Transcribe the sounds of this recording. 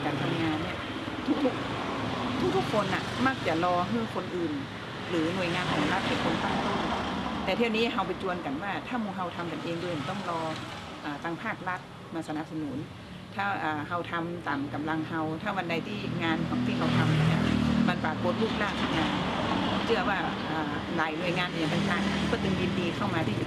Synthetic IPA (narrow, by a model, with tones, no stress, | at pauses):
kaː˨˩nt̪ʰa˧mŋaː˧nːi˥˩ɐ | t̪ʰu˧˥k̚t̪ʰu˦˥˩k̚ | t̪ʰu˦˥k̚t̪ʰu˥kʰo˧nːa˨˩ma˥˩k̚t͡ɕa˨˩lɔː˧ɦɯ˧˥˩kʰo˧nʔɯː˨˩n | lɯː˩˦nu˨˩əjŋaː˧nkʰɔː˨˦ŋla˧˥˩t̪̚pe˨˦nkʰo˧ŋsaː˨˦juː˧˥˩t̪ɛː˨˧˩t̪ʰiː˥˩˨wniː˦˥ɦa˧wp̬a˨˦jt͡ɕu˧ənka˨˩nwaː˥˩t̪ʰaː˥˩muː˧˩ŋɦa˧wt̪ʰa˧mka˨nʔeː˧ŋdu˧˩˨a˨˩t̪ɔ˥˩ŋlɔː˧ | ʔaː˨˩t̪aː˧ŋpʰaː˥˩k̚la˦˥t̪̚ | maː˧sa˧na˧p̚sa˧nuː˩˦n | t̪ʰaː˥˩ʔaː˨˩ha˧wt̪ʰa˧mt̪aː˨mka˨˦mla˧ŋha˧wt̪ʰaː˥˩wa˧nda˧jt̪ʰiː˥˩ŋaː˧nkʰɔ˨˦ŋt̪ʰiː˥˩kʰa˧wt̪ʰa˧mni˧˥˩na˧˩ma˧npaː˨˩ko˧˦t̪̚luː˥˩k̚laː˥˩ka˨˩ŋ̚na˧˩nʰa˧˩˧t̪ɔ˥˩ŋt͡ɕɯ˧˩ɐwaː˧˥˩ | ʔaː˨˩ | laː˨˩jnu˨˩əjŋaː˧nʔi˨˩t̪a˨˧ŋt̪aː˧˩ŋ˧˨kɔː˧˩t̪ɯ˧ŋdiː˧ndiː˧kʰa˥˩wmaː˧t̪ʰiː˥˩˨